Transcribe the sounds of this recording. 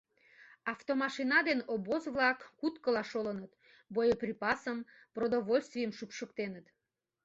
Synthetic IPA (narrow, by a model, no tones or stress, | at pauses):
ɑft̪omɑʃinɑd̪enobozvlɑkːut̪kəlɑʃolənət̪ | bojəprʲipɑsəm | prod̪oβolʲst̪vʲijəmʃupʃəkt̪enət̪